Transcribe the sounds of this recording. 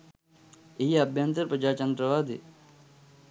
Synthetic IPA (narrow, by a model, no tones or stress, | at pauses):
ijɐbʱjant̪əɾpɾəd͡ʒaːt͡ʃənd̪ɾəʋaːd̪ʱḭ